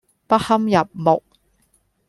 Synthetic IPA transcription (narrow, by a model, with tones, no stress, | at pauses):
pɐ˥hɐ˥mjɐ˨p̚mʊ˨k̚